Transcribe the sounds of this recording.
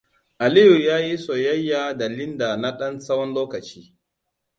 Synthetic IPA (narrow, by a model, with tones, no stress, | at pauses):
ʔa˨li˦ju˨jaː˦ji˦so˨jɐ˦jːa˨da˨lɪ˦nda˨na˦ɗɐ˦nsɐ˦wɔ˦nloː˦kɐ˨t͡ʃiː˦